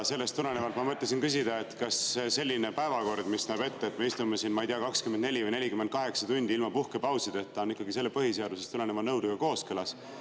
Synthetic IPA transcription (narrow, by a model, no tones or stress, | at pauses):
se̞lːest̪ːule̞nevɑlt̪mɑmɤt̪les̬inkys̬ʲid̪ɑe̞t̪kɑsese̞lʲːinepæevɑko̞rd̪̥misnæːbe̞t̪ːeːt̪me̞ist̪ume̞sinmɑijt̪iɑkɑkskymend̪ne̞lʲivəjne̞lʲikymːend̪̚kɑɦe̞ksɑt̪unʲd̪iilmɑpuhkepɑwsid̪̥et̪ːɑonːikːɑɡise̞lːepɤɦiseɑd̪usest̪ule̞nevɑnɤwd̪uɡɑko̞ːskɯlɑs